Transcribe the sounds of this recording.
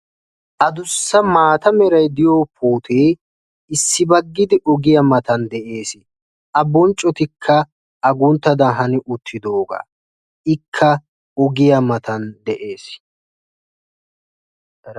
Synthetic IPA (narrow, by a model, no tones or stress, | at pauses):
ʔɐd̪ʊsːɐmaːt̪ɐmɛɾɐjd̪ɪjoːpʰoːt̪ʰeː | ɪsːɪbɐɡːɪd̪ɪʔɔɡɪjɐmɐt̪ɐnd̪ɛʔe̞ːsɪ | ʔɐbːɔnt͡ʃʼːɔt̪ɪkʰːɐ | ʔɐɡʊnt̪ːɐd̪ɐɦɐnɪʔʊt̪ʰːɪd̪o̞ːɡa̰ː | ɪkʰːɐ | ɔɡɪjɐmɐt̪ɐnd̪ɛʔe̞ːs